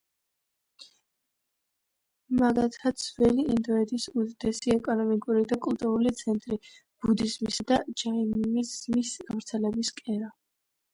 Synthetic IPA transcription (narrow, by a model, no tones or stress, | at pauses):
maɡat̪ʰasʰvɛliind̪ɔɛd̪ʰisud̪d̪̥ɛsiɛkʼɔnɔmikʼuɾid̪akʼult̪ʼuɾulit̪sʰɛnt̪ʼɾi | b̥ud̪izmisad̪̥ad͡ʒammizmisɡavɾt̪sʰɛlɛbiskʼɛɾa